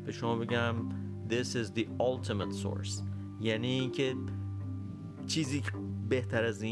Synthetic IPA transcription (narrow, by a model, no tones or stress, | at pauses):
b̥e̞ʃomɒːbe̞ɟæm | d̪ɪsɪzðiɒlt̪ʰemet̪so̰ɾs | jæniːincʰe | t͡ʃʰiːziːbe̞ht̪ʰæɾæzĩː